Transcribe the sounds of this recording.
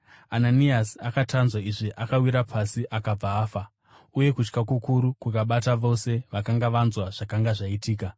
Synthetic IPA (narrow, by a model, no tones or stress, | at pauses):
ananiasiakatanzwaiʐiʔakawiɾapʰasiʔakab͡vaːfa | uje̞kut͡ʃkakukuɾukukaɓataʋo̞se̞ʋakaŋɡaʋanzwaʐ̥akaŋɡaʐaitiːka